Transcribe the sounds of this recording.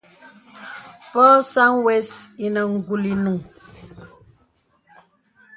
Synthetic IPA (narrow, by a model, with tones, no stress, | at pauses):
pɔ˦sa˦ŋwɛ˦si˨nə˨ŋ̩˨ɡu˨li˨nu˨ŋ